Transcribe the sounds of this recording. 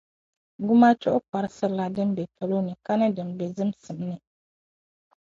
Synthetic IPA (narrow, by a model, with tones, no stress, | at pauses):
ɡʊ˦ma˦t͡ʃɔ˦ʔʊ˦ka˨ɾɨ˦sɨ˦ɾla˨dɨ˦m˦bɛ˨pʰa˨lo˦nɨ˨ka˦nɨ˦dɨ˨m˨be˨zɨ˦msɨ˨m˦nɨ˨